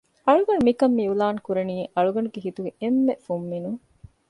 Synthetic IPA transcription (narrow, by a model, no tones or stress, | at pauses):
ɐɭuɡɐɳumikɐmːiulaːŋkuɾeniːʔɐɭuɡɐɳuɡeɦit̪uɡeemːefumːinuŋ